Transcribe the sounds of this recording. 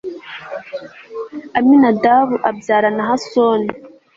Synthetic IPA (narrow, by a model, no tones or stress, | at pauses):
aminadaβuʔabjaːɾanaɦasoni